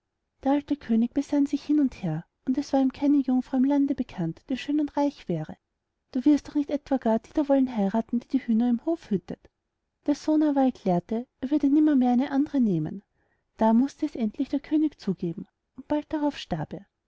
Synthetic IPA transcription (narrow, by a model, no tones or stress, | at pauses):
d̥eːɐaltəkʰøːnɪk̚b̥əsanzɪçhɪnʊntheːɐ | ʊndɛsv̥aːɐiːmkʰaɪnəjʊŋfʁ̥ɑʊɪmlandəbəkʰantd̥eːɐʃøːnʊntʁaɪçv̥ɛːʁə | d̥uːvɪɐstd̥ɔχnɪçtɛtv̥aɡ̥aːɐd̥iːdɐvɔlənɦaɪʁaːtn̩d̥iːdiːhyːnɐɪmhoːfhʏtət | d̥eːɐsoːnavakʰlɛːɐtəʔeːɐvʏɐdənɪmɐmeːɐæɪnəʔandəʁəneːmə̰n | d̥aːmʊstəːsʔɛntʰlɪçd̥eːɐkʰøːnɪkt͡suːɡ̥eːbm̩ | ʊnt̚b̥alt̚d̥aʁɑʊfʃtaɐpeːɐ